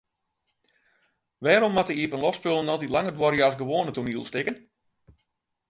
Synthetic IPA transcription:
ʋɛːɾɔmːatəiəpənlɔfspølˠənɔlˠtitlˠaŋərdwɔɾjasɡəʋoːnətuniəlˠstɪkən

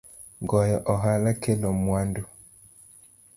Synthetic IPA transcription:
ɡɔjɔʔɔɦalakelɔmwandu

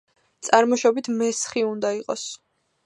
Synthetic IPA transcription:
t̪sʼaɾmɔʃɔbit̪ʰmɛsχiund̪aiqʼɔs

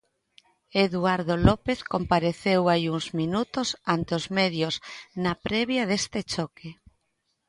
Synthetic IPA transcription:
eðuaɾðolɔpeθkompaɾeθewajuŋzminut̪osant̪eozmeðjosnapɾeβjaðest̪et͡ʃɔke

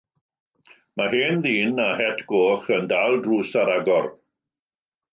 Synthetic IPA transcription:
maɦeːnðiːnahɛtʰɡ̥oːχəndaːlˠdruːsaɾaɡɔr

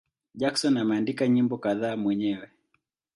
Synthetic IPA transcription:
ʄaksɔnːamaːndikaɲimbɔkaðaːmwɛɲɛwɛ

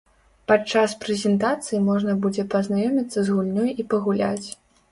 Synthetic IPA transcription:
pat͡ʂaspɾɛzʲɛnt̪at̪sɨjimɔʐnɐbud͡zʲɛpɐznajɔmʲit̪sːɐzɣulʲnʲɔjipɐɣulʲa̰t͡sʲ

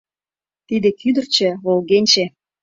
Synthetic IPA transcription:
t̪id̪ĕkyd̪ə̆rt͡ɕĕβolɣenʲt͡ɕe

